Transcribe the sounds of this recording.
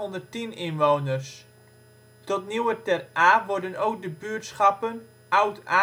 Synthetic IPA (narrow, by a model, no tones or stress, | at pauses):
ɔndərtinɪnʋownərs | tɔtniwətɛrʔaːʋɔrdənowk̚dəbyərtsχɑpən | ʔawta